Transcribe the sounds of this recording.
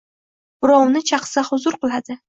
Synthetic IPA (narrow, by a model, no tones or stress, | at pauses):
bʊɾɒwnɪt͡ʃʰɑqsahʊzʊɾqɨlˠad̪ɪ